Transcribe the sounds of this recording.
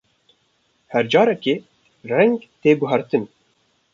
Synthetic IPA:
hɛɾd͡ʒɑːɾɛkeː | rɛŋɡt̪eːɡʊɦæɾt̪ɨn

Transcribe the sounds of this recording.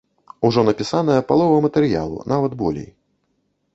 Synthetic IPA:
uʐɔnɐpʲisanɐjɐpalˠɔvɐmɐt̪ɛɾja̰lˠṵnavɐd̪bɔlʲḛj

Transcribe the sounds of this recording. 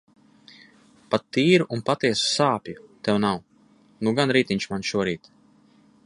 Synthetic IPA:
pat̪ːiːɾuʔunpat̪iɛsu̥saːpʲjut̪ɛwnaw | nuɡanɾiːt̪ʲiɲʲt͡ʃmanʃuɔɾiːt̪

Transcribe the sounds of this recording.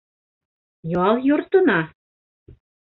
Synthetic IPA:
jɑljort̪ɤ̆nɑ

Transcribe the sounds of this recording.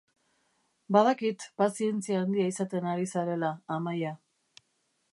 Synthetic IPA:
baðakit̪pasie̞nt͡siaːnd̪iaisat̪e̞naɾisaɾe̞laːmaja

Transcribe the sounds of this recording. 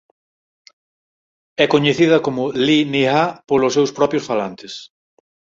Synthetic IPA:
ɛkoɲeθiðɐkomʊliniɣapolʊsːewspɾɔpjʊsfalant̪ɪs

